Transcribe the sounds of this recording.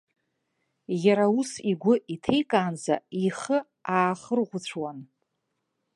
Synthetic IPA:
jaɾausiɡʷʊitʰe̞jkʼaːnza̰iχə | aːχərʁʷʊt͡ɕʷʰwan

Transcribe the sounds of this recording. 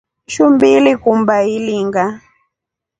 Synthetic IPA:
ʃumbilikumbailiŋɡa

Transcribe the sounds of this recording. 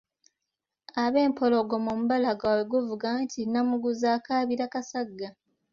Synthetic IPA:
aβe̞ːmpʰo̞lo̞ɡomomuβalaɡaweɡuvuɡantʰinamuɡuzaːkaːβiɾakasaɡːa

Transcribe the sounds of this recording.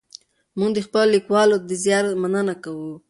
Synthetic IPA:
muŋɡd̪əxpəlolikwɑlot̪d̪əzjɑɾmanənakawu

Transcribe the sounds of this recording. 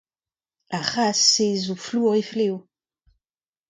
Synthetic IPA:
aχasezufluʁeflew

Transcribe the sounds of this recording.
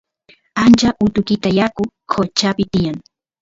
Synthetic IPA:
ant͡ʃaʔʊt̪ʊkɪt̪ajakʊ | kʰot͡ʃapɪt̪ɪjaŋ

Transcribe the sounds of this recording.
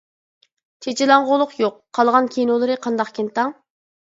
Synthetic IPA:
t͡ʃʰet͡ʃʰilˠɑŋʁolˠʊqjoqʰːɑlˠʁɑnkʲʰenolˠɨɾɨqʰɑnd̪ɑqkʲʰent̪ɑŋ

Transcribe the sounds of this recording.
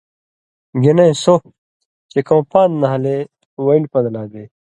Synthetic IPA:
ɡenẽso | t͡ɕekɐ̃wpãːnd̪nɐɦɐle | wɐilpɐd̪ɐlaːd̪eː

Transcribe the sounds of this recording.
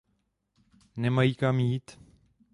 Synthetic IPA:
nɛmajiːkamjiːt̪

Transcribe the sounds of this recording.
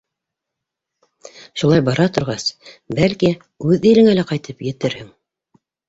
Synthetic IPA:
ʃulˠɑjbɑɾɑt̪ŏɾʁɑsbælki | ʉðĭlɘ̆ŋælæqɑjt̪ɤpjɘ̆t̪ɘɾhɘŋ

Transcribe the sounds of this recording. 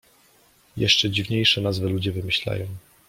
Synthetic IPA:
jɛ̰ʂt͡ʂɛd͡ʑivɲejʂɛnazvɘlud͡ʑɛvɘmɘɕla̰jɔ̃w̃

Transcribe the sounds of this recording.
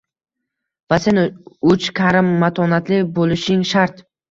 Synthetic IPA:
vase̞nʊt͡ʃkʲʰaɾɪmːat̪ʰɒnat̪ʰlɪbolɪʃɪŋʃaɾt̪

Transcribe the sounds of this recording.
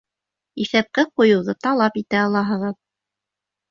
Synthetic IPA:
iθæp̚kɘqujɤ̆wðɤt̪ɑlˠɑpit̪æɑlˠɑɦɤ̆ʁɤð

